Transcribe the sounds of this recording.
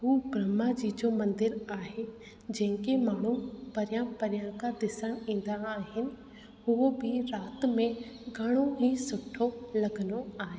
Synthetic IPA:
ɦuːɡɾɐmad͡ʑiːd͡ʑomɐ̃nd̪ɪɾaːɦe | d͡ʒɐ̃ɦɪ̃ŋkemaːɳ̤upɐɾjãpɐɾjãkad̪ɪsəɽ̃ĩːn̆d̪aːɦɪnɪ̆ | ɦʊobʱɪɾaːt̪mẽɡʱɐɽ̃oɦisʊʈʰːolɐɡənoaːɦeː

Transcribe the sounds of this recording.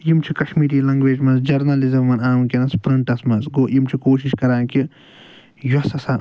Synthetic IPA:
jimt͡ʃʰikɐʃmiːɾiːlɐŋɡʋeːd͡ʒmɐnzd͡ʒɐɾnɐlizɐmːɐnaːmkʲinɐspɾɐɳʈɐsmɐnzɡoːjimt͡ʃʰikoːʃiʃkɐɾaːnki | jɐsɐsaːn

